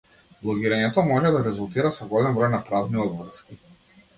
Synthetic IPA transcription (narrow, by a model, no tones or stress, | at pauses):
blˠɔɡiɾaɲɛt̪ɔmɔʒɛd̪aɾɛzulˠt̪iɾasɔɡɔlɛmvɾɔjnapɾavniɔd̪vr̩ski